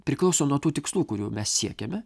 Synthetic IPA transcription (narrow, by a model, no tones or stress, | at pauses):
pʲɾʲɪklˠɐʊsoːnuɔt̪uːt̪ʲɪkslˠuːkʊɾʲṵːmʲɛssʲiɛkʲɛmʲɛ